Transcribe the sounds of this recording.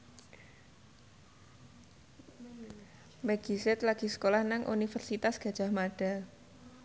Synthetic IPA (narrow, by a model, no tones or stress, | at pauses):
mɛɡ̥isɛt̪laɡ̥i̤sə̥kolahnaŋʔṵnifərsit̪asɡ̥a̤̥ʒ̥a̤hmaɖ̥a̤l